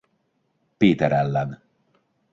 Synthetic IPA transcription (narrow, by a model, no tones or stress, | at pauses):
peːt̪ɛɾɛlːɛn